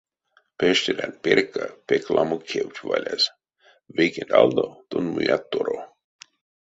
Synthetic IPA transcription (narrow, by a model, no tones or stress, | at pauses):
peʃt̪ʲeɾanpeɾkːapeklʔamukʰewt̪ʲvalʲaz | vekend̪ald̪ot̪onmujat̪ːoɾo